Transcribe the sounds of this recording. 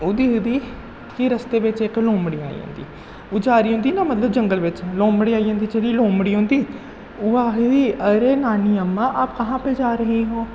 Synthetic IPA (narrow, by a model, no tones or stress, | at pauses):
ʊd̪iːɦʊd̪iː | kɪɾəst̪eːbɪt͡ʃɪklõːmɽiːa̰ːḭːɦõ̰nd̪ḭː | ud͡ʒaːɾiːɦʊ̃nd̪iːnaːmət̪ləb̚d͡ʒəŋɡəlʋɪt͡ʃlõːmɽiːaːiːɦõnd̪iːd͡ʒeɽiːlõːmɽiːɦʊ̃ːnd̪iː | ʊaːɦd̪iːəɾeːnaːniːəmːãːʔaːpkəɦãːpeːd͡ʒaːɾəɦiːɦoː